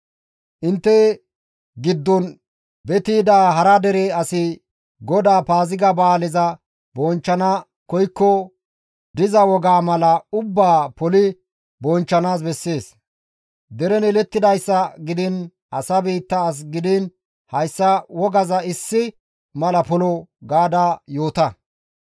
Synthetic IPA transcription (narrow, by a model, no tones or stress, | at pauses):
ʔɪnt̪ːɛ | ɡɪd̪ːɔn | bɛt̪iːd̪aːɦɐɾɐd̪ɛɾɛɐsɪ | ɡɔd̪aːpaːzɪɡɐbaːlɪzɐ | bɔnt͡ʃːɐnɐ | kɔjkːɔ | d̪ɪzɐwɔɡaːmɐlɐʊbːaːpɔlɪ | bɔnt͡ʃːɐnaːsbɛsːeːs | d̪ɛɾɛnɛlɛt̪ːɪd̪ɐjsːɐɡɪd̪ɪn | ɐ̰sɐbiːt̪ːɐːs̬ɡɪd̪ɪn | hɐjsːɐwɔɡɐzɐɪsːɪ | mɐlɐpɔlɔɡaːd̪ajo̞ːt̪ɐ